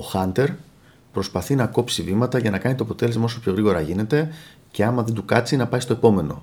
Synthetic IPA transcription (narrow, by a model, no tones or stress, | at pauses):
oxɐnt̪e̞ɾ | pɾo̞spɐθinɐko̞psivimɐt̪ɐʝɐnɐkɐnit̪o̞ɐpo̞t̪e̞le̞zmɐoso̞pço̞ɣɾiɣo̞ɾɐʝine̞t̪e̞ | ce̞ɐmɐðe̞nd̪ukɐt͡sinɐpɐist̪o̞e̞po̞me̞no̞̰